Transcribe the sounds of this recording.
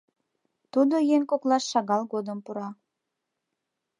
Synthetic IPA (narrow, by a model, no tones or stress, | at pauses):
t̪ud̪ojeŋkoklɑʃːɑɣɑlɣod̪əmpuɾɑ